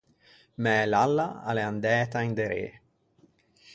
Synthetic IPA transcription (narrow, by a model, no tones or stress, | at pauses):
mɛːlalːaa̰leand̪ɛːt̪aind̪eɾḛː